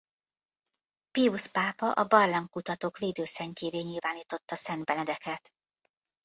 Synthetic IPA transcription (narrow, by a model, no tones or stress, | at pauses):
piuspaːpɒʔɒbɒrlɒŋkut̪ɒt̪oːkʋeːd̪øːsɛɲceːveːɲilvaːniːt̪o̞t̪ːɒsɛnd̪̚bɛnɛd̪ɛkɛt̪